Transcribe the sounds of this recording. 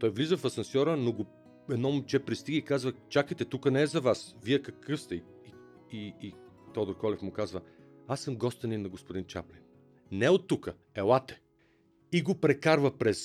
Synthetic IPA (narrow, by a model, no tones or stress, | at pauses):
t̪ɔjvlizəfɐsɐnsʲɔɾənoɡo | ɛd̪nɔmʊt͡ʃɛpɾist̪iɡəikazvət͡ʃakəjt̪ɛt̪ukənɛːzɐvasviɛkɐkɤfst̪ɛ | i | iit̪ɔd̪oɾkɔlɛfmʊkazvə | asːəmɡɔst̪əninːɐɡospoʊd̪int͡ʃa̰plin | nɛot̪ːukə | ɛlˠat̪ɛ̥ | iɡopɾɛkaɾvəpɾɛs